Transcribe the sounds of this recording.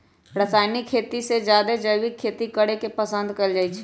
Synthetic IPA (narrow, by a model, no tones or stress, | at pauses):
ɾəsaːjnikʰːet̪ised͡ʒjad̪ed͡ʒəjwikʰːet̪ikəɽekepəsə̃nd̪kəld͡ʒaːit͡ʃʰɛ